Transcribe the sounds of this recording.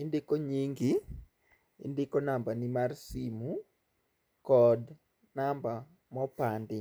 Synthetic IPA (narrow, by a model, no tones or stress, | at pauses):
ɪndɪkoɲiŋɡi | ḭndɪkonambanimarsimu | kɔd | namba | mɔpandɪ